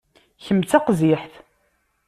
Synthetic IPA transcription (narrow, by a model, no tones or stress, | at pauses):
çəmt͡sːæqziħθ